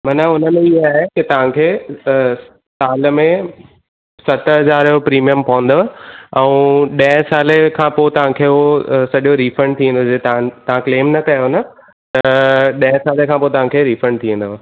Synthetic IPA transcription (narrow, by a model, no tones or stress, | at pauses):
mɐnaʊnə̆mẽiɦaːɦekɪt̪ɐʋ̤ãkʰeː | saːləmẽ | sɐt̪əɦɐzaːɾjopɾiːmijəmpɐʋə̃n̆d̪oɛ̃ũɗɐ̃ɦsaːlekʰãːpoːt̪ɐʋ̤ãkʰeːɦosɐɗjoɾiːfɾə̃ɳɖt̪ʰĩnd̪oet̪ɐãt̪ɐʋãkleːmnɐk̪ɐjonɐ | t̪ɐɗɐ̃ɦɪ̃saːlekʰãːpoːet̪ɐʋ̤ãkʰeːɾiːfɾə̃ɳɖ̚t̪ʰiə̃n̆d̪oʋ